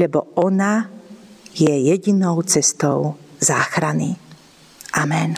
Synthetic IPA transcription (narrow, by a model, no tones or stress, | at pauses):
lɛbɔʔɔna | jɛjɛɟinɔʊt͡sɛst̪ɔʊzaːxɾanḭ | ʔamɛn